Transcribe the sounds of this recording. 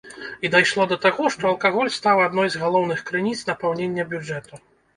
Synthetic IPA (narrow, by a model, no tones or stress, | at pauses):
id̪ajʂlˠɔd̪ɐt̪aɣɔʂt̪ɔɐlˠkaɣɔlʲst̪awad̪nɔjzɣalˠɔwnɨxkɾɨnʲit̪snɐpɛwnʲenʲːɐbʲjud͡ʐɛt̪u